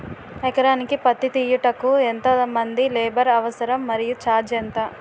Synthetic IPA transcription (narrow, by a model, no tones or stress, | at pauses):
ɐkɐɾaːnikipɐt̪ːit̪iːjuʈɐkːuent̪ɐmɐnd̪ileːbɐɾɐʋɐsɐɾɐmːɐɾijut͡ʃaːɾd͡ʒent̪ɐ